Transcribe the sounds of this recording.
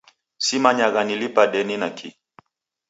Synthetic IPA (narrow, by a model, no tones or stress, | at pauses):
simaɲaɣanilipaɗɛninakʰi